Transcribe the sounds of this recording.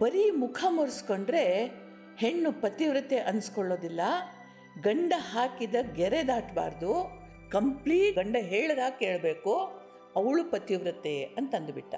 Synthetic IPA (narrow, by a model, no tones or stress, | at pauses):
pɐɾimukʰamoɾisko̞ɳɖɾe̞ | heɳːupɐt̪iʋɾɐt̪ːeʔɐnskoɭːo̞ːd̪ilːɐ | ɡɐɳɖɐɦaːkid̪ɐɡɛɾed̪aːʈba̰ːɾd̪u | kɐmpliːʈɡɐɳɖɐɦeːɭɐd̪aːkːeːɭbeːku | ɐʋɐɭupɐt̪iʋɾɐt̪ːe̞ɐnt̪ɐnd̪biʈːɐ̰